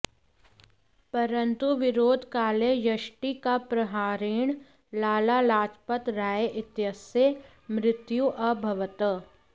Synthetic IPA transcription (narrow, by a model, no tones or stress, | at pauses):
pɐɾə̃nt̪uʋɪɾoːd̪ʱkaːlejɐʃʈikapɾɐɦaːɾiːɽ̃ | laːlalaːt͡ʃpət̪ɾaːjeʔɪt̪jəse | mɾɪt̪juʔɐbʱɐʋət̪ə